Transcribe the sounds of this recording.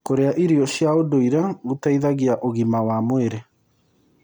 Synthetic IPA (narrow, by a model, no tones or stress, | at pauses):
koɾeaʔiɾiɔɕjaodoiɾaɣutaiðaɣiaʔoɣimawamweɾe